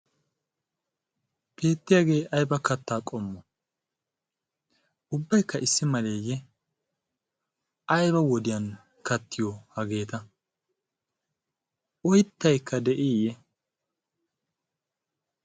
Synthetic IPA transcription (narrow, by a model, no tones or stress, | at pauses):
pʰe̞ːt̪ːɪjaːɡe̞ːʔɐjbɐkɐt̪ːaːkʼɔmːɔ | ʊbːɐjkːɐʔɪsːɪmɐleːjːɛ | ʔɐjbɐwɔd̪ɪjɐn | kɐt̪ːɪjɔhɐɡe̞ːt̪ɐ | ʔɔjt̪ːɐjkːɐd̪ɛʔiːjɛ